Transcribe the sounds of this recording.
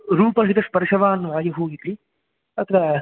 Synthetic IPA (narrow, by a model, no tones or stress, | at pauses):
ɾuːpɐɾɦit̪ɐspɐɾʃɐʋaːnːʋaːjɐɦoːɡit̪i | ɐt̪ʰːɐɾa